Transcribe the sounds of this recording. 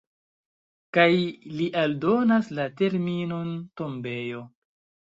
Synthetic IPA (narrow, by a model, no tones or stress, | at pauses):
kajliʔaldo̞naslate̞ɾmino̞nto̞mbe̞jo̞